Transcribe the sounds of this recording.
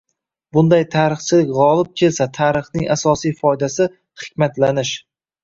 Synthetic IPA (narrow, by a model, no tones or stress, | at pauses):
bʊnd̪ajt̪ʰaːɾɨχt͡ʃʰɪlɪkʲʁɒlˠɪp̚kʲʰe̞lsat̪ʰaɾɨχnɪŋʔasɒsijfɒjd̪asɪ | χɪ̥kʲmat̪lanɪʃ